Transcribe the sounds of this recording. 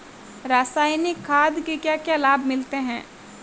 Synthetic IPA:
ɾaːsaːɪnɪkʰːaːd̪kekjakjaːlaːbmɪlt̪eɦɛ̰̃ː

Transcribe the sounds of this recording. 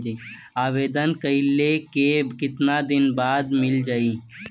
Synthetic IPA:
d͡ʒe | aːʋeːd̪ənkəɪlekekɪt̪nad̪ɪnbaːd̪mɪld͡ʒaːi

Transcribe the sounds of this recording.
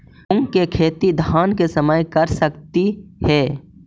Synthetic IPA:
ʊŋɡkekʰeːt̪id̪ʱaːnkesəməjkəɾsəkt̪ihɛː

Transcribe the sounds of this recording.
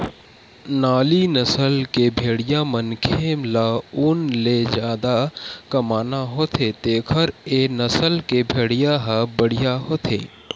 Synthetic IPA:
naːlinəsəlkebʱeːɽɪjamənkʰeːmlauːnled͡ʒjaːd̪akɐmaːnaɦoːt̪ʰet̪eːkʰəɾeːnəsəlkebʱeːɽijaɦəbəɽ̤ijaɦoːt̪ʰḛː

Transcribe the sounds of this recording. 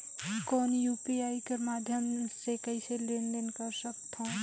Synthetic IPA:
kɔnjupiajkemad̪ʱjəmsekəɪselenɖenkəɾsək̚t̪ʰɔ̃

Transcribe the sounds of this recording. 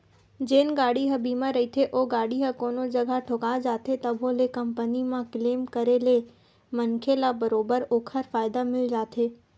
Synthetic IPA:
d͡ʒeːnɡaːɽiɦɐbiːmãɾɐit̪ʰeʔoːɡaːɽiɦəkoːnod͡ʒɐɡʱaʈʰokaːd͡ʒaːt̪ʰet̪ɐbʱõlekɐmpənimãkleːmkɐɾele | mɐnkʰelabɐɾoːbəɾoːkʰəɾfaːjɪd̪amɪld͡ʒaːt̪ʰeː

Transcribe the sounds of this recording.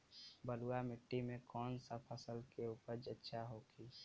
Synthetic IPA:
bəluamɪʈːimẽkɔːnsapʰəsəlkeuːpəɾd͡ʒətːʃʰaɦokʰiː

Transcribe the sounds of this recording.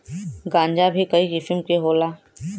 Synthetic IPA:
ɡãːɲd͡ʒabʱikɐiɪfɪmkeɦoːlaː

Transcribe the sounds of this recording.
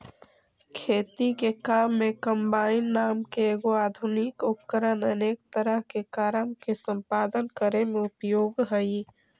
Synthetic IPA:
kʰeːt̪ikekamːẽkəmbaːɪnːaːmkeːɡoaːd̪ʱunikʊpkəɾənəneːkt̪əɾəɦkekaːɾəmkesə̃mpaːd̪ənkəɾemẽʊpjoːɡɦəi

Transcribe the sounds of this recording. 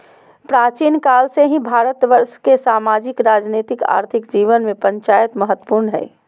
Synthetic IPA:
pɾaːt͡ʃiːnkaːlseɦĩbʱaːɾət̪ʋəɾʃkesaːmaːd͡ʒɪkɾaːd͡ʒneːt̪ɪka̰ːɾt̪ʰɪkd͡ʒiːʋənmẽpə̃ɲt͡ʃaːjət̪məɦət̪ːə̥puɾnɦɛ̰ː

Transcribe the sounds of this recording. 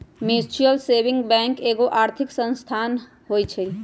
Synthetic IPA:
mesʈiəlsebɪ̃ŋɡbɛ̃ŋkeɡoʔaːɾt̪ʰiksə̃nst̪ʰan | ɦojt͡ʃʰɛ

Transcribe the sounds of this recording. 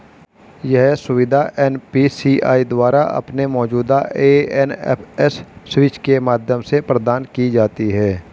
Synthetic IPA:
jɛɦsʊʋɪd̪ʱaʔɛːnpisiːʔa̰ːid̪waːɾaʔɐ̰pnemɔːd͡ʒuːd̪aeːɛnɛ̰pʰɛsːwɪt͡ʃkemaːd̪ʱjəmsepɾəd̪aːnkid͡ʒaːt̪iɦɛː

